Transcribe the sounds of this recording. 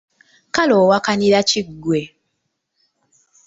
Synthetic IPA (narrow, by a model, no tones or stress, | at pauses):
kaloːwakaniɾaciɡwe